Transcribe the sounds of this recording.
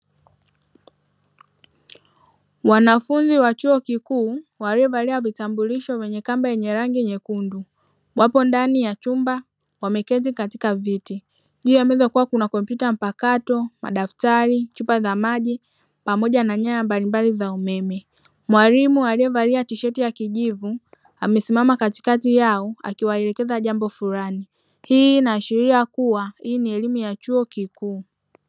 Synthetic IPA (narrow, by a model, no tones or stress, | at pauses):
wanafunziwat͡ʃuɔkikuːwaliɛvaliavitambuliʃɔvɛɲɛkambajɛɲɛɾaŋɡiɲɛkundu | wʔapɔndanijat͡ʃumba | wamɛkɛzikatikaviti | ʄuːamɛzakuwakunakɔmpjutam̩pakatɔma̰ɗaftaɾit͡ʃupazamaʄi | pamɔʄanaɲajambalimbalizaumɛmɛ | mwaɾimualiɛvaliatiʃɛtijakiʄivu | amɛsimamakati̥katijaɔa̰kiwaɛɾɛkɛzaʄambɔfuɾani | hiːnaːʃiɾiakuwahiːniɛlimujat͡ʃuɔkikuː